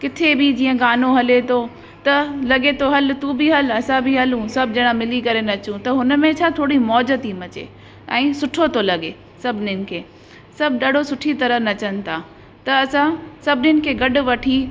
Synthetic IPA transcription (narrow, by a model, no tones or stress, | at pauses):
kɪt̪ʰebʱid͡ʑiːə̃ɡaːnoɦɐlet̪ʰo | t̪ɐlɐɠet̪ʰoɦɐlt̪ũbʱiɦɐlɐsãbʱiɦɐlũsɐb̚ʱd͡ʑɐɽ̃ãmɪlikɐɾenɐt͡ɕũt̪ɐɦʊnmẽt͡ɕʰat̪ʰoːɽimɔːd͡ʑət̪imɐt͡ɕḛ | ɛ̃ːsʊʈʰot̪ʰolɐɠe | sɐbʱɪnɪnɪ̆kʰeː | sɐbʱɗaːɖ̤ʱosʊʈʰit̪ɐɾənɐt͡ɕənɪ̆t̪ʰaː | t̪ɐːsãsɐbʱɪnɪnɪ̆kʰeːɡɐɗʊ̆ʋɐʈʰi